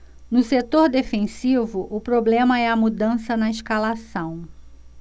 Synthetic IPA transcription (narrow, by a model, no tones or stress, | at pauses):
nʊset̪oɾd̪efẽsivʊʔʊpɾoblẽmɐɛɐmud̪ɐ̃sɐnɐiʃkalasɐ̃w̃